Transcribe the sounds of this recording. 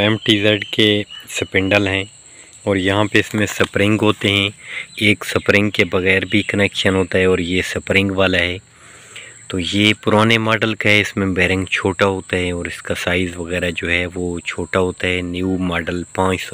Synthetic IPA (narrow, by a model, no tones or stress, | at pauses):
ɛːmʈiːzɛɖkesɐpɪ̃ɳɖəlɦɛ̃ː | ɔːɾjɐɦãpeɪsmẽsɐpɾɪ̃ŋɡɦoːt̪eɦɛ̃eːksɐpɾɪ̃ŋɡkebɐɣɛːɾbʱikɐnɛːkʃənɦoːt̪aɦɛɔːɾjesɐpɾɪ̃ŋɡʋaːlaɦɛː | t̪oːjepʊɾaːnemaːɖəlkaɦɛɪsmẽbɛːɾɪ̃ŋɡt͡ʃʰoːʈaɦoːt̪aɦɛɔːɾɪskasaːɪzʋɐɣɛːɾad͡ʒoːɦɛʋot͡ʃʰoːʈaɦoːt̪aɦɛnjumaːɖəlpãːt͡ʃsɔ